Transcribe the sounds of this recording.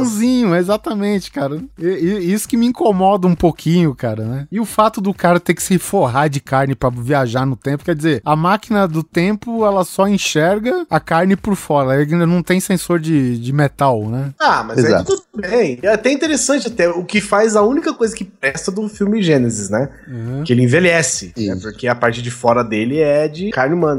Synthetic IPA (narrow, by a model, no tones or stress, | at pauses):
zĩɲʊɛezat̪ɐmẽnt͡ʃɪ̥kaɾɐeiisʊ̥kɪmɪĩkomɔd̪ɐũpokʰĩɲʊkaɾɐnɛɪʊfat̪ʊd̪ʊkaɾɐt̪eɾkɪ̥sɪfoɦaɾd͡ʒɪkaɾnɪpɾɐviaʒaɾnʊt̪ẽmpʊkɛɾd͡ʒɪzeɾɐmakinɐd̪ʊt̪ẽmpʊɛlɐsɔẽʃɛɾɡɐɐkaɾnɪpʊɾfɔɾɐeĩd̪ɐnɐ̃w̃t̪ẽj̃sẽsoɾd͡ʒɪd͡ʒɪmet̪awnɛamɐzeɛza̰t̪ud̪ʊbẽj̃at̪ɛĩt̪eɾesɐ̃nt͡ʃɪat̪ɛʊkɪfajzɐũnikɐkojzɐkɪpɾɛst̪ɐd̪ʊfiwmɪʒẽnezɪsnɛ | ãhɐ̃kɪelɪĩvelɛsɪ̃ɛpʊɾkeɐpaɾt͡ʃɪd͡ʒɪfɔɾɐd̪elɪɛd͡ʒɪkaɾnɪmɐ̃nɐ